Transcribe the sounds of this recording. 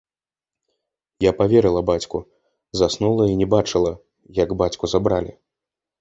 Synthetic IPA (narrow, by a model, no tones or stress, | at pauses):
japavʲɛɾɨlˠɐbat͡sʲku | zasnulˠɐinʲɛbat͡ʂɨlˠɐ | jaɡbat͡sʲkuzabɾalʲḭ